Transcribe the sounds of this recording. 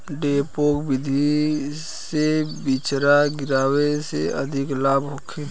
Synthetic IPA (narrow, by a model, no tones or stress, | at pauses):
ɖeːpoːkbɪd̪ʱi | sebit͡ʃɾaɡɪɾaːweseəd̪ʱɪklaːbɦoːkʰeː